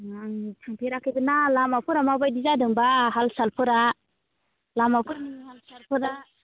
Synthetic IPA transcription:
tʰaŋpʰiɾakːibɯnalamapʰuɾamabajdizadɯŋbaɦalsalpʰuɾa | lamapʰuɾahalsalpʰuɾa

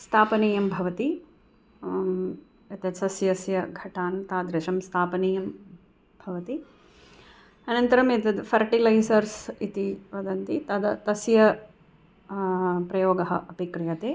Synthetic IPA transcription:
st̪ʰaːpɐniːjɐmbʱɐʋɐt̪i | ɐt̪jɐsɐsjɐsjɐɡʱɐʈʰaːnt̪aːd̪ɾɐʃɐmst̪ʰaːpɐniːjɐm | b̥ʱɐʋɐt̪i | ɐnɐnt̪ɐɾɐmet̪ɐd̪fʰɐɾʈilɐjsɐɾsit̪iʋɐd̪ɐnt̪it̪ɐd̪ɐt̪ɐsjɐ | pɾɐjoːɡɐɦɐ̰ʔɐpikɾɨjɐt̪eː

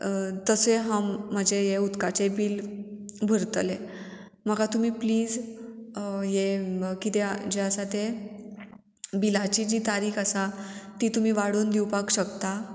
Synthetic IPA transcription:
t̪əseɦãm̤ːəd͡ʑeɦeut̪kat͡sebiːlbʱəɾt̪le | məɡat̪um̤iːpliːd͡z | jekit̪ed͡ʑeəsat̪e | bilat͡ɕiːd͡ʑiːt̪aɾiːkʰəsat̪iːt̪um̤iːʋaɽuːnd̪iwpakɕəkt̪a

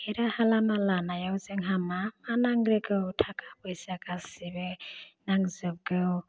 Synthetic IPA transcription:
heɾahalamalanajawzeŋɦamamanaŋɾeɡɯwtʰakʰapɯjsakasibenaŋzɯp̚ɡɯw

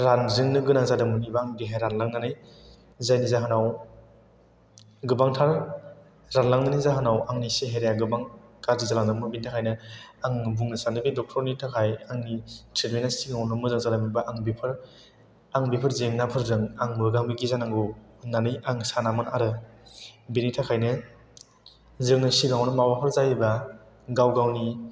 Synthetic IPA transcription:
ɾanzɯŋnɯɡɯnaŋzadɯmɯnibaŋdiɦajɾanlaŋnanɯj | zajnizaɦɯnaw | ɡɯbaŋtʰaɾ | ɾanlaŋnanijzaɦɯnawaŋniseɦeɾejaɡɯbaŋkaɾdizalaŋdɯmɯbintʰakʰajnɯaŋbuŋnɯsanɯbidɔk̚tʰɔɾnitʰakʰajaŋnitɾetmenasiɡaŋwnɯmɯzɯŋzalamibaʔaŋbipʰɯɾ | aŋbipʰɯɾzeŋnapʰɯɾzɯŋaŋmɯɾɡaŋbiɡizanaŋɡunanɯjaŋsanamanaɾɯ | binitʰakʰajnɯ | zɯŋnɯsiɡaŋnɯmawapʰɯɾzajiba | ɡawɡawni

